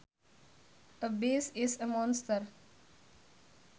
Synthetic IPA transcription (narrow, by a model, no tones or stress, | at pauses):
əbeːsesəmɔnst̪əɾ